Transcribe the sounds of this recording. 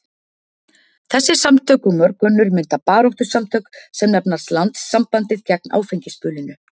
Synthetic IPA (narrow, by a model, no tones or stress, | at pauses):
θɛsːɪsamt̪ʰœːkʏmœɾkʏnːʏɾmɪnt̪apaːɾɔht̪ʏ̥samt̪ʰœːksɛmnɛpnaɾ̥slant̪sːampant̪ɪðcɛk̚na̰ːwfejɲcɪspʏːlɪnʏ